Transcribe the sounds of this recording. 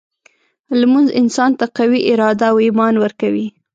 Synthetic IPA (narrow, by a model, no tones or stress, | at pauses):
lmunzɪnsɑnt̪aqawiʔɪɾɑd̪aːwimɑnwəɾkawi